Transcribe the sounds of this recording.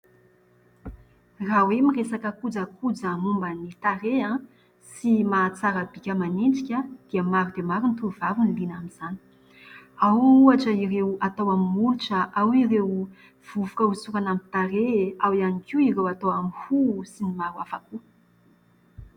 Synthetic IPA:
rawemiresakəkud͡zəkʰud͡zəmumbənit̪aɾeã | simat͡saɾəbikʲəmanind͡zikʲəd̪̥iəmaɾud̪emaɾunt̪uvavunilinaminz̥ani̥ | awuaʈ͡ʂəiɾewat̪owamimuluʈ͡ʂəʔawirew | v̥uvukəusuɾanamit̪aɾeawianikʲiiɾewat̪owamihusinimaɾuafaku

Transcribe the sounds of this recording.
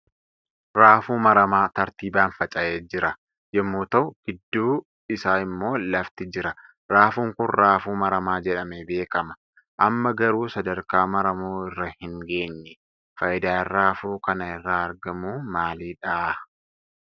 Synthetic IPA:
ɾaːfuːmɐɾɐmaːt̪ɐɾt̪iːbaːnfɐt͡ʃʼɐʔeːd͡ʒɪɾɐ | jɛmːuːt̪ɐʊɡ̥ɪd̪ːuː | ɪsaːɪmːo̞ːlɐft̪ɪd͡ʒɪɾɐ | ɾaːfuːŋkʊnɾaːfuːmɐɾɐmaːd͡ʒɛᶑɐmɛbe̞ːkɐmɐ̥ | ʔɐmːɐɡɐɾuːsɐd̪ɐɾkaːmɐɾɐmuːɪrːɐhɪŋɡe̞ːɲːɛ | fɐʔɪd̪aːɪrːaːfuːkɐnɐɪrːaːɐɾɡɐmuːmaːliːᶑɐʔaː

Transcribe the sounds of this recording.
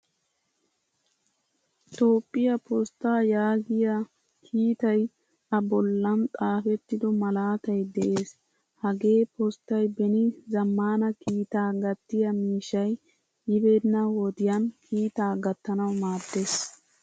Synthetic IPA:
t̪o̞ːpʼːɪjɐpɔst̪ːaːjaːɡɪjɐ | kʰiːt̪ɐj | ʔɐbɔlːɐnt̪ʼaːfɛt̪ːɪd̪ɔmɐlaːt̪ɐjd̪ɛʔe̞ːs | hɐɡe̞ːpɔst̪ːɐjbɛnɪzɐmːaːnɐkiːt̪aːɡɐt̪ːɪjɐmiːʃɐj | jɪbeːd̪nːɐwɔd̪ɪjɐnkʰiːt̪aːɡɐt̪ːɐnɐwmaːd̪ːe̞ːs

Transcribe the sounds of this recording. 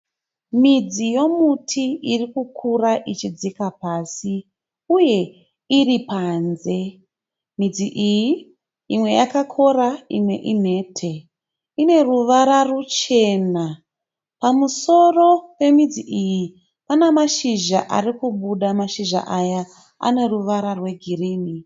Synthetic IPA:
mid͡zijo̞mutʰiirikukʰuraʔit͡ʃid͡zikapaːsi | uje̞ | iripaːnze̞ | mid͡ziʔiji | imwe̞jakakʰo̞raimwe̞̰ʔim̤e̞tʰe̞ | ine̞ruʋaɾarut͡ʃe̞na | pamuso̞ro̞pe̞mid͡ziʔiji | panamaʃiʒaʔarikuɓuɗamaʃiʒa̰ʔaja | a̰ne̞ruʋaɾarwe̞ɡʱiriːni

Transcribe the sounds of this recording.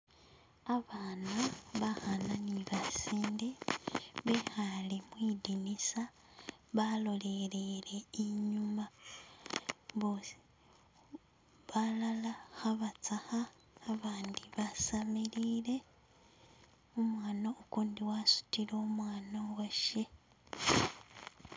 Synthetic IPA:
aβaːnaβaxananiβasiːndeβexalimwiːdinisa | βalo̞lelele̞iɲuma | βos | βalalaxaβat͡saxaː | βaːndiβasamiliːle̞ | umwaːnaukuːndiwasu̥tileomwaːnawaʃe̞

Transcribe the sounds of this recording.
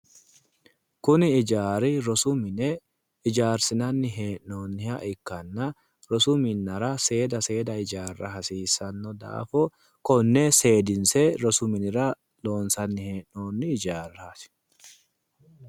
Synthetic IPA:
kʊnɪɪd͡ʒaːɾɪɾɔsʊmɪnɛ | ɪd͡ʒaːɾsɪnɐnːɪɦeːʔno̞ːnːɪhɐʔɪkːɐnːɐ | ɾɔsʊmɪnːɐɾɐse̞ːd̪ɐse̞ːd̪ɐɪd͡ʒaːrːɐ̰ɦɐsiːsːɐnːɔd̪a̰ːfɔ | kɔnːɛse̞ːd̪ɪnsɛɾɔsʊmɪnɪɾɐ | lo̞ːnsɐnːɪhe̞ːʔno̞ːnːɪːd͡ʒaːɾːasɪ̥

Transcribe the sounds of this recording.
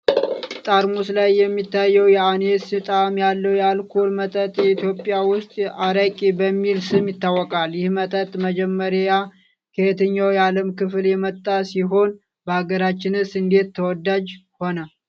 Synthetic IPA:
t̪ʼaɾmuslajːɛmːit̪ʰːajːəwjɛanesɨt̪ʼamjalːəwjalkʰolmət̪ʼət̪ʼjɛit̪ʰjo̞pʼːɪjawʊst̪ʼaɾəkʼibəmːilsɨmjɪt̪ːawːɔkʼaljɪhmət̪ʼət̪ʼməd͡ʒɛmːəɾja | kʰəet̪ʰəɲːawjaləmkɨfljɛmət̪ʼːasiɦo̞n | bəaɡəɾat͡ʃːɪnɨsɨnd̪e̞t̪ʰːəwɔd̪ad͡ʒho̞nə

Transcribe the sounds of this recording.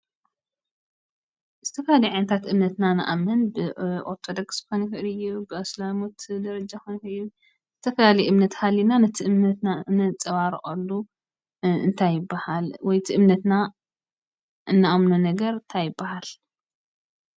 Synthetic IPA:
z̥ɨt̪ʰɐfɐlalijʕajnɐt̪ʰat̪ʔɨmnɐt̪nanɨ̰ʔa̰mɨnbɨʔoɾt̪ʰod̪okskʰojnixɨʔlɨjːubɨaslamot̪d̪ɐɾɐd͡ʒakojnkɨʔɨjːu | z̥ɨt̪ʰɐfɐlaliʔɨmnɐt̪halːinanɐt̪ʰiʔɨmnɐt̪nanɨt͡sʼɐβaɾʔʼɐlːu | ɨ̰nt̪ʰajɪbːahalwɔjt̪ʰiʔɨmnɐt̪na | ʔɨnːaʔamnunɐɡɐɾɨnt̪ʰajɪbːahal

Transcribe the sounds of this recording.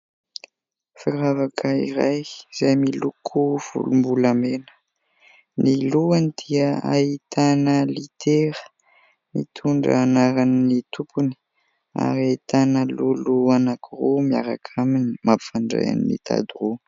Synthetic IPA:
fiɾavakʰəḭɾajz̥ajmilukʰuv̥ṵlumbulamenə̥ | niluanid̪̥iəa̰it̪anəlit̪ʰeɾə̥ | mḭt̪ʰuɳɖ͡ʐːnaɾannit̪ʰupuni̥ | a̰ɾiait̪anəluluanakuɾomia̰ɾakʰaminimapi̥faɳɖ͡ʐḛja̰niːḭt̪ʰa̰d̪uro

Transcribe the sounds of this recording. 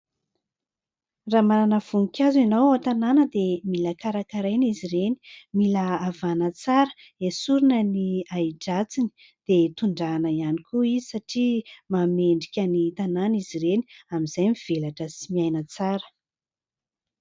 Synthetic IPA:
ramananəv̥uŋikʲazenowat̪ananəd̪emiləkaɾakaɾajnizireni̥miləːvanət͡saɾə̥ | esuɾunəniaiɖ͡ʐat͡sini̥ | d̪̥et̪uɳɖ͡ʐanəianikʰuizisaʈ͡ʂimameɳɖ͡ʐikʲənit̪ananiziɾeni̥amiz̥ajmiv̥elaʈ͡ʂəsimiajnət͡saɾə̥

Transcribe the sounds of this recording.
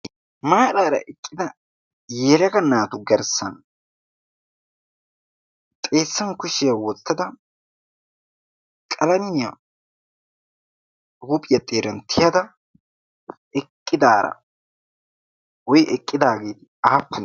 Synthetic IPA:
maːɾaːɾɐ̰ʔɛkʼːɪd̪ɐ | jɛɾɐɡɐnaːt̪ʊɡɛɾsːɐn | t̪ʼe̞ːsːɐnkʊʃɪjɐwɔt̪ːɐd̪ɐ | kʼɐlɐmɪjɐ | ɾupʼɪjɐt̪ʼeːɾɐnt̪ʰːɪjɐd̪ɐ | ɛkʼːɪd̪aːɾɐ̰ | wɔjɛkʼːɪd̪aːɡeːt̪ɪaːpːʊ

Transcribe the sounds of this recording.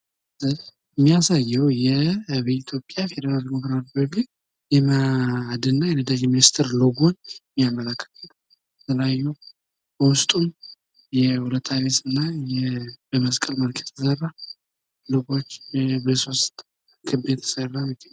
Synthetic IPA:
zɨ | mːijasajːɛwjɛβiit̪ʰjo̞pʼːjafe̞d̪əɾald̪emokɾat̪bəɡi | jɛmad̪ɨnːajɛnəd̪ad͡ʒeminist̪ʰɨɾloɡo̞t͡ʃːmːijamːəlakːə̥lɨ | t̪ʰəlajːuw | bəwʊst̪ʼun | jɛhulət̪ʰːaβesɨnːajɛbəməskʼəlməlkʰə̥t̪ʰəsərːa | loɡo̞t͡ʃːbəso̞st̪ʼ | kʰɨbet̪ʰə̥sərːamɪt̪ʰʼːə

